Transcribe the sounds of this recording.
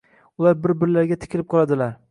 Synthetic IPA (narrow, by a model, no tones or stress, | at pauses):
ʊlˠaɾbɪɾbɪɾlaɾɡʲat̪ʰɪ̥kʲʰɪlɪp̚qʰɒlˠad̪ɪlaɾ